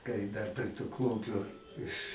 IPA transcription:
kɐɪ dɐr pʲrʲɛ tʊ ˈklˠʊmʲpʲʊ ɪʃ

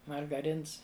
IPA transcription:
mɐrɡɐˈrʲɪns

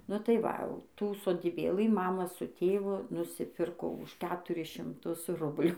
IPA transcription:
nʊ ˈtɐɪ ˈʋɐ ɐʊ tuː soːdʲiːˈbʲeːlˠɨ ˈmɑːmɐ sʊ ˈtʲeːʋʊ nʊsʲɪˈpʲɪrkoː ʊʃ ˈkʲæːtʊrʲɪs ʃʲɪmˈtʊs ˈrʊbʲlʲuː

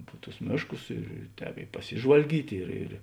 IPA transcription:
pʊ tʊs ˈmʲeːʃˌkʊs ɪr ˈtʲɛːp ɪ pɐˈsʲɪʒʋɐlʲɡʲiːtʲ ɪr ɪr

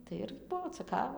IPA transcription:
tɐɪ ˈɪr ˈbuɔ t͡sʲɛˈkɑːʋɐ

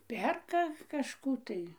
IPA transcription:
ˈpʲɛrkɐ kɐʃˈkuː tɐɪ

